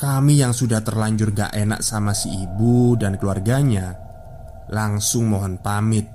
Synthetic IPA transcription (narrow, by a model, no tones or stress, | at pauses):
kamijaŋsudaht̪ərlaɲd͡ʒʊrŋɡa̰ʔena̰ʔsamasiibudankəluarɡaɲa | laŋsʊŋmɔɦɔnpamɪt̪̚